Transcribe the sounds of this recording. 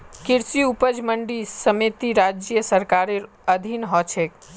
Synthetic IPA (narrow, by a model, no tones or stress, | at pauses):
kiɾsiupəd͡ʒməɳɖisəmit̪iɾad͡ʒjəsəɾkaɾe | əd̪ʱinɦɔt͡ʃʰek